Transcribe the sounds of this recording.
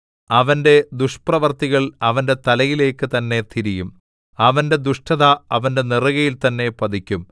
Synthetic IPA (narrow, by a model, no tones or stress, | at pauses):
ɐʋɐnde̞d̪uʂprɐʋɐrt̪iɣɐɭɐʋɐnde̞t̪ɐlɐjileːkːɨt̪ɐnːe̞t̪ʰiɾijum | ɐʋɐnde̞d̪uʂʈɐðaɐʋɐnde̞nirɐɣɐjilt̪ɐnːe̞pɐd̪ikʲːum